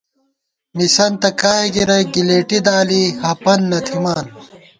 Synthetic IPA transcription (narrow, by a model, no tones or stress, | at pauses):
misɐnt̪ɐkaːeɡiɾɐɡileːʈid̪aːlihɐpɐnːɐt̪ʰimaːn